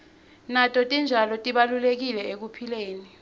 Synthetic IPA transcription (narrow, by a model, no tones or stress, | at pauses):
natʼɔtʼind͡ʒʱalɔtʼiɓalulek̬ilɛek̬upʰileːni